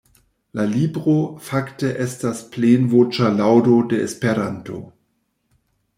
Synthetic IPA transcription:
laliːbʁofaktəʔɛst̚d̥aspʰleːnvot͡ʃalaʊdodeɐɛspeʁantʰo̰

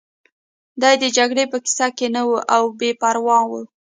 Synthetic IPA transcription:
d̪ɑjd̪əd͡ʒaɡɽepəki̥sɑkenawuʔawbepɑɾawɑnwu

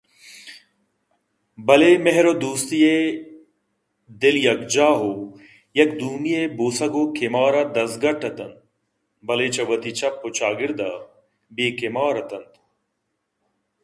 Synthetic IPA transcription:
bɐlemeɦɾod̪uːst̪ije | d̪eljɐkd͡ʒaːɦo | jɐkd̪uːmijeboːsɐɡoːkemaːɾɐd̪ɐzɡɐʈɐt̪ɐnt̪̚ | bɐleːt͡ʃɐʋɐt̪it͡ʃɐpːot͡ʃaːɡɪɾd̪ɐ | beːkemaːɾɐt̪ɐnt̪

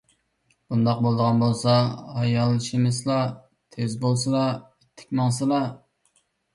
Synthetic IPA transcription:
b̥und̪ɑq̚bolˠd̪əʁɑnbolˠsɑɑjɑlˠʃemɪslˠɑ | t̪ʰezbolˠsɨlˠɑet̪ʰːɪ̥kʲmɑŋsɨlˠɑ

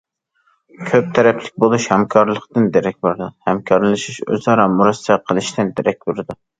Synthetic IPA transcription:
kʲʰøp̚t̪ʰɛɾɛpʰlɪk̚ʲbolˠuʃhɛmkʰɑɾlˠəqt̪ɨnd̪eɾɛk̚ʲbɑɾd̪ʊhɛmkʰɑɾlˠɨʃiʃø̰zlɑɾɑmuɾɑsːɛqʰəlˠɨʃt̪ʰɪnd̪eɾɛk̚ʲbeɾɪd̪u

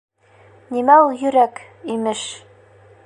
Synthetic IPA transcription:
nimæulˠjɵ̆ɾæk | imɘʃ

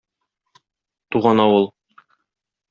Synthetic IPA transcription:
t̪uʁɑnɒwɤlˠ

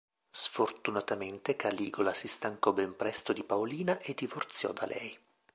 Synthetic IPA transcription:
sfort̪unat̪ament̪ekaliːɡolasist̪aŋkɔbɛmpɾɛst̪od̪ipaoliːnaʔed̪ːivort̪sjɔ̰d̪a̰lʔɛ̰j

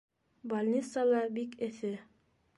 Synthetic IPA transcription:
bɑlʲnʲisɑlˠɑbikɘ̆θɘ

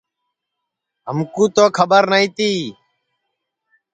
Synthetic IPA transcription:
ɦəmkũːt̪oːkʰəbəɾnəĩːt̪iː

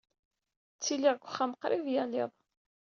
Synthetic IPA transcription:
t͡sːilɪʁɡʷχːæməqɾˤivjælɪðˤ

